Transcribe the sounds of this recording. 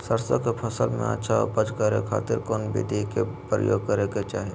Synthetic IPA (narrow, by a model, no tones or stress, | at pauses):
səɾsəkepʰɐsəlmḛ̃ə̰tːʃʰaɔ̰ɾpət͡ʃkəɾekʰa̰ːt̪ɪɾkɔːnbʱḭd̪ʱikepɾə̰jo̰ːɡ̚kəɾeket͡ʃaːɦe